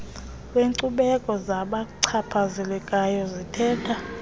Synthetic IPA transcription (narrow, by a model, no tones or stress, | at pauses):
kweŋǀuɓɛkʼɔzaɓaǀʰapʰazɛlɛkʼajɔzitʰɛːtʰa